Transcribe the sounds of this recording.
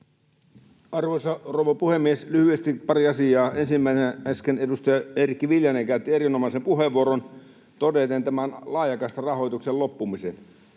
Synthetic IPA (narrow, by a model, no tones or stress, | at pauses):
ɑrʋosɑroʋɑpuhemːieslyhyest̪ipɑɾiɑsiɑːʔensimːæisenæskenedust̪ɑjɑerikːiʋiljɑneŋkæyt̪ːie̞ɾinomɑsempuɦeʋːuoɾon | t̪odet̪ent̪æmænlɑːjɑkɑst̪ɑrɑɦo̞jt̪uksellopːumisen